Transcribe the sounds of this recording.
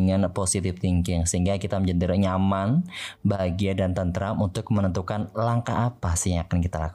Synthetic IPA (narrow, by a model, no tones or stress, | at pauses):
ŋanposit̪ɪft̪iŋkɪŋsəɦiŋɡakit̪amɲd͡ʒənd̪iɾɔʔɲamanbaɦaɡiadant̪ant̪əɾamunt̪ʊk̚mənənt̪ukanlaŋkaʔːpasɪhjŋakankit̪alaku